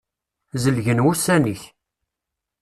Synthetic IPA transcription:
zəlʝənwusæniç

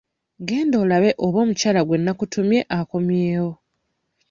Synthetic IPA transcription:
ɡe̞ːndoːlaβe̞ʔoβo̞ːmucaːlaɡwe̞nːakutumje̞ʔako̞mjeːwo̞

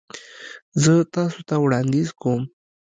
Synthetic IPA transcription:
zət̪ɑsot̪awɽɑnd̪ɪzkom

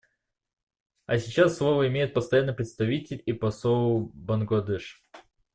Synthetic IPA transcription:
ɐsʲɪt͡ɕasːlˠovəɪmʲejʊt̪̚pəst̪ɐjanːɨjpɾʲɪt̪st̪ɐvʲitʲɪlʲipɐsobənɡlˠɐd̪ɛʂ

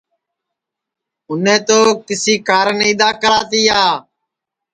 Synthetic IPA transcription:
ʊnẽːt̪oːkɪsiːkaːɾəniːd̪aːkəɾaːt̪iːaː

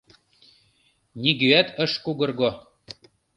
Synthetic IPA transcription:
nʲiɡyæt̪ʰə̆ʃkuɣɤ̆rɣo

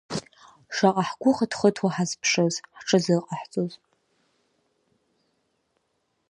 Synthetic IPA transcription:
ʂaqʼaħɡʷʊχatχətʰwaħazpʰʂozħʈ͡ʂʰɨzɨqʼaħt͡sʼoz

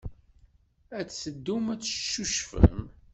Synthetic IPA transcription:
æt͡ssəd̪ːumæt͡sːʃːuʃfə̰m

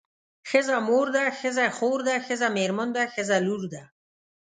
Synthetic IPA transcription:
xɪzamoɾd̪axɪzaxoɾd̪axɪzameɾmənd̪axɪzaluɾd̪a

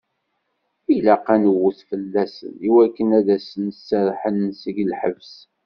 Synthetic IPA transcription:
ilæqænəwːuθfəlːæsə̰niwækːənæðæsənsːəɾˤħənsəɡlħəvs

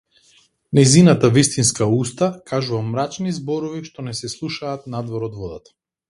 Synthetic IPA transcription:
najzinat̪avist̪inskaust̪akʰaʒuvamːɾat͡ʃnizbɔɾɔviʃt̪ɔnɛsɛslˠuʃaːt̪nad̪vɔɾɔd̪vɔd̪at̪ḁ

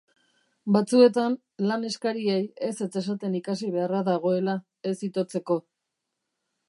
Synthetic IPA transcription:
bat͡sue̞t̪an | lane̞skaɾieje̞se̞t͡se̞sat̪e̞nikasiβe̞araðaɣo̞e̞la | e̞sit̪o̞t͡se̞ko̞

